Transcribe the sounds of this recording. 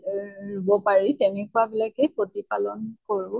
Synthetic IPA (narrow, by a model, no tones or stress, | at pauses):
ɹubɔpaɹitɛnɛkʊabilakɛpɹotipalɔnkoɹʊ̃